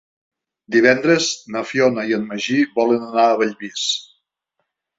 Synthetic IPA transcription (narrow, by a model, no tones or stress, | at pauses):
d̪iβɛnd̪ɾəznəfjɔnəiənməʒiβɔlənənaəβəʎβis